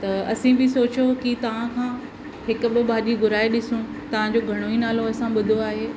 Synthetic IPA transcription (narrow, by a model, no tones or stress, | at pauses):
t̪ɐɐsĩbʱɪsoːt͡ɕjokit̪ɐʋ̤ãkʰãː | ɦɪkʊɓɪbaːɗiɡʊɾaːeɗɪsũ | t̪ɐʋ̤ãɲd͡ʑoːɡʱɐɽ̃oinaːloɐɦsãɓʊd̪ʱoaːɦeː